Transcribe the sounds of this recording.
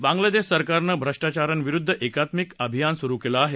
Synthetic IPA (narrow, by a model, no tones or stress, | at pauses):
bãŋɡlad̪eɕsəɾkaɾnəbʱɾəʂʈat͡ɕaɾənʋiɾud̪ʱːəʔekat̪mikəbʱijansuɾukelaːɦe